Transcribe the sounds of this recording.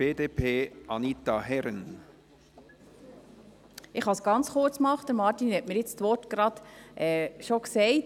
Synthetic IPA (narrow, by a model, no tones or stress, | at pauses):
eːdeːpʰeːɑnit̪ɑɦɛɾən | ɪχhɑsɡ̥ɑnt͡sχʊɾt͡smɑχt̚d̥əɾmɑɾtinhɛtmɪːɾjɪt͡stʋɔɾtɡ̥ɾɑd̥̪ʔɛːʃoksɛɪt